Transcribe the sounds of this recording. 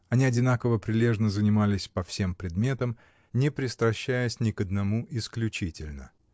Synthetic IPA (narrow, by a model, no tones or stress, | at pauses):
ɐnʲiɐdʲɪnakəvəpɾʲɪlʲe̞ʐnəzənʲɪmalʲɪsʲpɐfsʲe̞mpɾʲɪd̪mʲe̞t̪əm | nʲɪpɾʲɪst̪ɾɐɕːæjəsʲnʲɪkəd̪nɐmuʔɪsklʲʉt͡ɕitʲɪlʲnə̰